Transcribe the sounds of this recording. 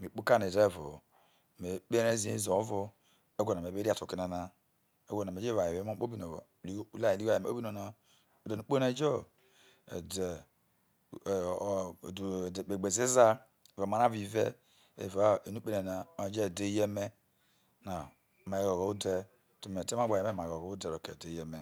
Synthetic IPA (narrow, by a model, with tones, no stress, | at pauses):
me˨k͡pu˦ka˦ne˨de˦˨vo̰˨ | me˨k͡pe˦ɾe˦zi˦ḛ˦zo˨˦vo˦ | e˦ɡo˨na˨e˨be˦ɾi˦a˨tu˨ki˦na˨na˦ | ḛ˦ɡo˦˨na˨me˨d͡ʒe˦va˨je˨ve˦ma˦k͡po˦bi˦no̰˨li˦u˦la˦˨li˦a˦˨e˨e˨˦o˦bi˦no˨na˨ | o˨de˨nu˦k͡po˦ne˦d͡ʒo̰˦˨ | de˨ | k͡pe˨ɡ͡be˨zi˦za˦˨ | va˨ma˦na˦vi˨vḛ˦ | ḛ˨va˨˦e˨nu˦k͡pe˦ne˨na˨o˨˦d͡ʒe˦˨de˦je˦me˦ | na˨ | ma˨e˦ɣo˨ɣo˨˦u˦de˦ | to˨me˨te˦ma˦ɡ͡ba˨je˨me˦˨ma˨ɣo˨ɣo˦u˦de˨ɾo˨kḛ˨de˨˦je˦me˦